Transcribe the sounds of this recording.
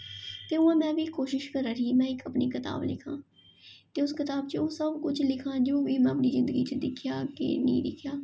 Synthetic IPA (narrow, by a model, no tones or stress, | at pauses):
t̪eːuːãːmɛ̃ːbʱiːkoːʃɪʃkəɾaːɾiːmɛ̃ːɪkəpniːkɪt̪a̰ːblɪ̰kʰã̰ː | t̪eːʊskɪt̪aːb̚t͡ʃeoːsəbkʊt͡ʃʰlɪkʰãːd͡ʒoːbiːmɛ̃əpniːzɪ̃nd̪əɡit͡ʃəd̪ɪkʰjaːkḛːnḭ̃ːd̪ɪkʰjaː